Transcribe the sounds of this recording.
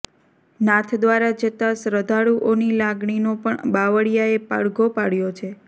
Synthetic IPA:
nãt̪ʰd̪ʋaɾad͡ʒət̪asɾəd̪ʱaɽuʔonilaɡɳinopəɳbaʋəɽijaepa̰ɽɡʱopaɽjot͡ʃʰe

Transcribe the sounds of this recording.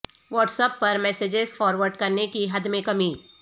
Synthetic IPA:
ʋɔːʈsəpːɐɾmɛːseːd͡ʒɪzfɔːɾʋəɾɖkɐɾnekiɦɐd̪mẽkɐmiː

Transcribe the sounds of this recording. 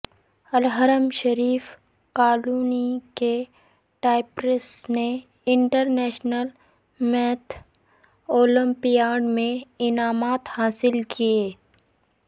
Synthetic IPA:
ɐlɦəɾəmʃəɾiːf | kaːluːnike | ʈaːɪpɾɪsne | ɪ̃ɳʈəɾnɛːʃnəl | mɛːt̪ʰ | oːlə̃mpijaːɖmẽɪnaːmaːt̪haːsɪlkʰieː

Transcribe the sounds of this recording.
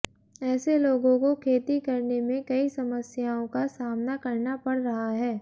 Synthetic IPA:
ɛːseloːɡõkokʰeːt̪ikɐɾnemẽkɐisɐməsjaːõkasaːmnakɐɾnapɐɽɾɐɦaɦɛː

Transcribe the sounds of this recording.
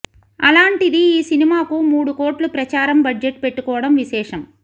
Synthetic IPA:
ɐlaːɳʈid̪iiːsinimaːkumuːɽukoːʈlupɾɐt͡ʃaːɾɐmbɐɖd͡ʒeʈpe̞ʈːukɔːʋɐɽɐmʋiʃɛːʂɐm

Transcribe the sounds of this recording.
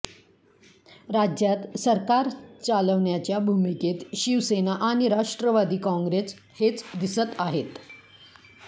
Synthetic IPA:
ɾad͡ʑjat̪səɾkaɾt͡saləʋɳjat͡ɕjabʱumiket̪ɕiʋsenaʔaɽ̃iɾaʂʈɾəʋad̪iːkɔ̃ŋɡɾes | het͡sd̪isət̪aɦet̪

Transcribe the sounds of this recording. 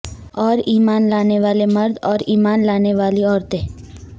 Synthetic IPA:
ɔːɾiːmaːnlaːneʋaːleməɾd̪ɔːɾiːmaːnlaːneʋaːliɔːɾt̪e

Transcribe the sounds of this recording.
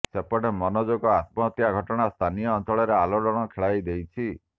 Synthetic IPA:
sepɔɽemɔnɔd͡ʒoɡɔat̪mɔt̪jaɡʱɔʈɔɽ̃ast̪ʰanijɔːnt͡ʃɔɭɔɾealɔɽɔɽ̃ɔkʰeɭajd̪ejt͡ʃʰi

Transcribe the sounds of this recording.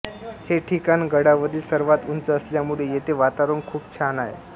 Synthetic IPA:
heʈʰikanɡəɽaʋəd̪iːlsəɾʋat̪unt͡səəsljamuɭejet̪eʋat̪aɾənkʰuːp̚t͡ɕʰanajḛ

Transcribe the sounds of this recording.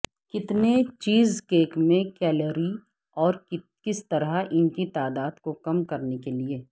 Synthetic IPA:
kɪt̪net͡ʃiːzkeːkmẽkɛːləɾi | ɔːɾ | kɪst̪ɐɾaɪnkit̪aːd̪aːd̪kokɐmkɐɾnekelieː

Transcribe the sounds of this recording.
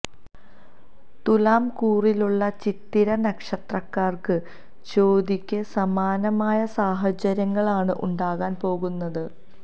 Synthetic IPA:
t̪ulaːmkuːriluɭːɐt͡ɕit̪ːiɾɐnɐkʂɐt̪rɐkːaːrkɨ | t͡ɕo̞ːd̪ikʲːɨsɐmaːnɐmaːjɐsaːɦɐt͡ɕɐɾjɐŋːɐɭaːɳɨʔuɳɖaːɣaːnpo̞ːɣunːɐðɨ

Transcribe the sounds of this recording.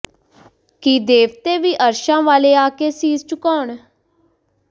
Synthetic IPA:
kiːd̪eːʋt̪eːʋiːʔəɾʃãːʋaːleːaːkeːsiːst͡ʃʊkɔːɳ

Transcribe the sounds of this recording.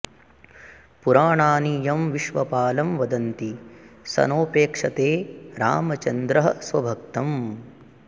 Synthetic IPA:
puɾaːɳaːniːjɐmʋiʃʋɐpaːlɐmʋɐd̪ɐnt̪isɐ̰noːpeːkʂɐt̪eːɾa̰ːmɐt͡ʃɐnd̪ɾɐɦɐsʋɐbʱɐk̚t̪ɐm

